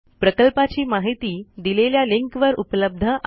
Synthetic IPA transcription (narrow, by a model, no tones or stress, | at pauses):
pɾəkəlpat͡ɕiːmaɦit̪iːd̪ileljaliŋkʋəɾupləb̚d̪ʱəʔ